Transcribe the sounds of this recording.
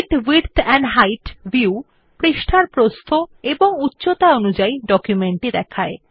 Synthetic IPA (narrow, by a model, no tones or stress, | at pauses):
ʈwiɾt̪ʰɛɳɖɦajʈbiu | pɾiʃʈʰaɾpɾost̪ʰoeboŋutːɕot̪aonud͡ʑaiɖɔkjumeɳʈid̪ɛkʰae